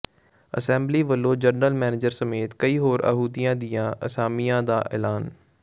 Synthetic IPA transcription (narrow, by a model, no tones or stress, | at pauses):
ə̰sɛ̃ːmbliːʋəlːoːd͡ʒəɾnəlmɛːnɪd͡ʒəɾsəmeːt̪kəiːɦoːɾʔə̰ɦuːd̪ijãːd̪ɪjãːʔə̰saːmijãːd̪aːʔɛ̰ːlaːn